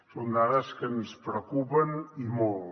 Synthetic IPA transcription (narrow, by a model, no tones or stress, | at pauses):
sond̪aɾəskənspɾəkupənimolˠ